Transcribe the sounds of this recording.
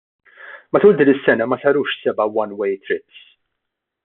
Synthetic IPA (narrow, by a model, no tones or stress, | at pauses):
mɐt̪uːld̪iːnɪsːɛnɐmɐsɐɾuːʃsɛbɐwɐnwɛjt̪ɾɪps